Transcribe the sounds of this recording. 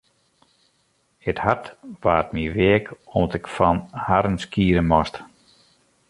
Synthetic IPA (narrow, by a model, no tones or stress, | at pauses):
əthatʋaːtmiʋeəkɔmdɔtɪkfɔnhaɾənskiːəɾənmɔst